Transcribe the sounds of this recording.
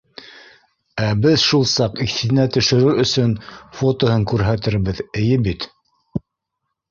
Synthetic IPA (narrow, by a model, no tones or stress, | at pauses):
æbɘðʃulˠsɑqiθinæt̪ɵ̆ʃɘ̆ɾɘɾɵ̆sɵnfot̪ohɤŋkʉɾɦæt̪ɘ̆ɾβɘðɘ̆jɘbit̪